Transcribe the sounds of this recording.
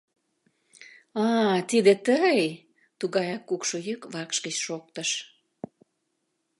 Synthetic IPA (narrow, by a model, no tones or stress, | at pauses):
ɑt̪id̪et̪əj | t̪uɣɑjɑkːukʃojykβɑkʃɡət͡ɕʃok̚t̪əʃ